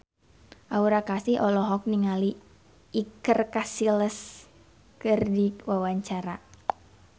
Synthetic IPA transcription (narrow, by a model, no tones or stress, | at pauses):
ʔauɾakasihʔɔlɔɦɔk̚niŋaliː | kərkasiləs | kɨrdiwawaɲt͡ʃaɾa